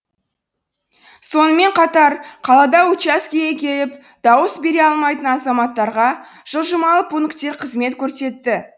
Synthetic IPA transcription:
so̞nəme̞ɴqʰɑt̪ɑɾqʰɑlˠɑd̪ɑut͡ʃaskʲijekʲe̞lɪp | d̪̥ɑwəsbe̞ɾe̞ɑlˠmɑjt̪ənɑzɑmɑt̪ːɑɾʁɑ | ʒ̥əlˠʒəmɑlˠəpʰunɪkt̪e̞ɾqʰəzme̞t̪kʲʰɵɾse̞t̪ːɪ

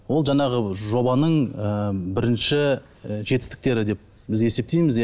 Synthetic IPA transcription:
wo̞lˠʒɑɴɑʁəʒo̞bɑnəɴəbɪɾɪnʃɪ | ʒet̪ɪst̪ɪ̥k̚t̪e̞ɾɪd̪e̞p̚ | bɪze̞se̞p̚t̪e̞jmɪz

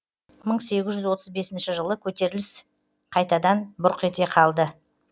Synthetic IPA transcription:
məɴse̞ɡʲɪzʒʏzwo̞t̪əzbe̞sɪnʃɪʒəlˠəkʲʰɵt̪e̞ɾɪlɪs | qʰɑjt̪ɑd̪ɑnbʊɾqe̞t̪e̞qʰɑlˠd̪ə

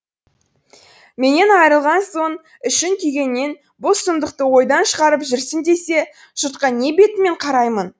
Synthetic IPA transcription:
me̞ne̞nɑjəɾəlˠʁɑnso̞ɴ | ʏʃɪŋk̪ʲʰijɡʲe̞nːe̞n | bosəmd̪əqt̪əwo̞jd̪ɑnʃəʁɑɾəpʒʏɾsɪnd̪e̞se̞ | ʒ̥ʊt̪qɑne̞be̞t̪ɪme̞ɴqʰɑɾɑjmən

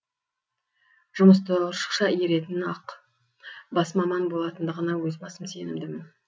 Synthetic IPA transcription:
ʒʊməst̪əʃə̥qʃɑje̞ɾe̞t̪ɪnɑq | bɑsmɑmɑnbo̞lˠɑt̪ənd̪əʁənɑwɵzbɑsəmse̞nɪmd̪ɪmɪn

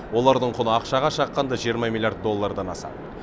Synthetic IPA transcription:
wo̞lˠɑɾd̪əɴqʰʊnəɑqʃɑʁɑʃɑqːɑnd̪ɑʒijəɾmɑmʲilʲˠjaɾd̪̚ːo̞lˠːɑɾd̪ɑnɑsɑ̰d̪ə

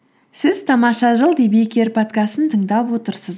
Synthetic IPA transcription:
sɪz̥t̪ʰɑmɑʃɑʒəlˠd̪ebekʲeɾpʰot̪kɑst̪ənt̪ʰəɴd̪ɑpwo̞t̪əɾsəz

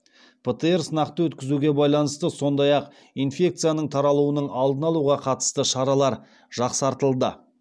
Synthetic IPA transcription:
pʰet̪eeɾsənɑqt̪əwɵt̪kʲɪzuɡʲe̞bɑjlˠɑnəst̪əso̞nd̪ɑjɑq | infʲe̞k̚t̪sɨjanəɴt̪ʰɑɾɑlˠuənəɴɑlˠd̪ənɑlˠuʁɑqʰɑt̪ə̥st̪əʃɑɾɑlˠɑɾ | ʒ̥ɑqsɑɾt̪əlˠd̪ə

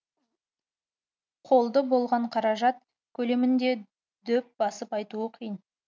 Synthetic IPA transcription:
qʰo̞lˠd̪əbo̞lˠʁɑɴqʰɑɾɑʒɑt̪̚ | kʲʰɵle̞mɪnd̪e̞ | d̪ɵp̚bɑsəpɑjt̪uəqʰijən

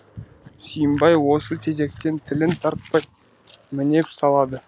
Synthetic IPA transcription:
sijəmbɑjwo̞sət̪ʰe̞ze̞k̚t̪e̞nt̪ʰɪlɪnt̪ʰɑɾt̪̚pɑj | mɪne̞psɑlˠɑd̪ə

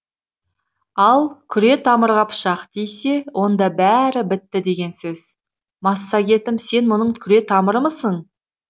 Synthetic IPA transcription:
ɑlˠkʲʰʏɾe̞t̪ʰɑməɾʁɑpʰʊ̥ʃɑqd̪̥ejse̞wʔo̞nd̪ɑbæɾɪbɪt̪ːɪd̪e̞ɡʲe̞nsɵz̥ | mɑsːɑɡʲe̞t̪ɪmse̞nmʊnəɴkʲʰʏɾe̞t̪ʰɑməɾəməsəɴ

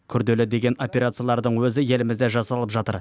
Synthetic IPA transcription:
kʲʰʏɾd̪e̞lɪd̪e̞ɡʲe̞no̞pʲeɾat̪sɨjalˠɑɾd̪əɴwɵzɪje̞lɪmɪzd̪eʒɑsɑlˠəpʒɑt̪ə̰ɾ

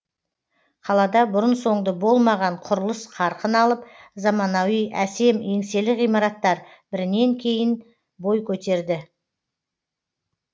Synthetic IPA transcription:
qʰɑlˠɑd̪ɑbʊɾənso̞ɴd̪əbo̞lˠmɑʁɑɴqʰʊɾəlˠəsqʰɑɾqənɑlˠəp̚zɑmɑnɑwijʔæse̞me̞ŋse̞lɪijmɑɾɑt̪ːɑɾ | bɪɾɪne̞ŋkʲʰe̞jɪn | bo̞jkʲʰɵt̪e̞ɾd̪ɪ

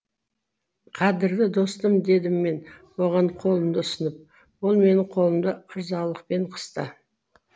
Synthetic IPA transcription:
qʰɑd̪ɪɾd̪ɪd̪o̞st̪əmd̪e̞d̪ɪmːe̞nwo̞ʁɑɴqʰo̞lˠəmd̪əʊsənəp̚ | wolˠme̞nɪɴqʰo̞lˠəmd̪əəɾzɑlˠəq̚pe̞ɴqʰə̥st̪ə

